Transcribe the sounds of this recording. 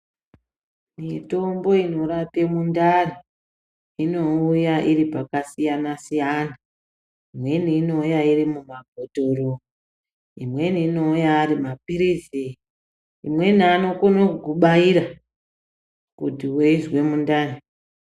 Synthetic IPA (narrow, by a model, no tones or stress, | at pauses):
mito̞mbo̞ino̞ɾapemundani | ino̞ujaʔiɾipakasijanasijana | imwe̞niːno̞ujairimumaɡʱoto̞ro | imwe̞niːno̞ujaːɾimapiɾizi | imwe̞niano̞konokuɓaiɾa | kutiweinzwe̞mundaːni